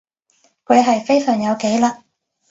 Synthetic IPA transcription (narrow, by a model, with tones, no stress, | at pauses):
kʰɵ˨˧ɥɦɐ˨jfe˥jsœː˨˩ŋjɐ˨˧wke˨˥jlaː˧